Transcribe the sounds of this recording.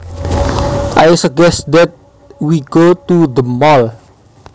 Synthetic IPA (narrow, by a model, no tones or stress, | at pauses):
ʔajsəɡɛsd̪ɛt̪̚ | wiɡ̥ot̪ud̪əmɔl